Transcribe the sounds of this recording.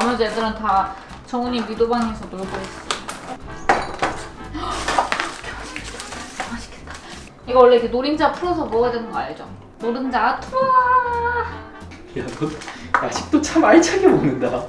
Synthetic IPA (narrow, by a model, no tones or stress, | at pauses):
mʌt͡ɕedɯɾɯnta | t͡ɕʌŋɯɲiɥidobaŋɦesʰʌnoɭɡoes͈ɯa | kʰeɕʰi̥kʰet͈ḁeaɕʰi̥kʰet͈ːḁ | iɡʌwʌɭːe̞ienoɾind͡ʑapʰuɾʌsʰʌboʌjadwenɯŋɡʌajʌd͡ʑo | noɾɯnd͡ʑaːtʰo | jaɡʌtad͡ʑik̚t͈ot͡ɕʰamaɭt͡ɕʰaɡemonɯnda